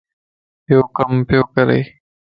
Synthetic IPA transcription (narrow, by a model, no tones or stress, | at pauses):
pjoːkɐmpjoːkɐɾḛj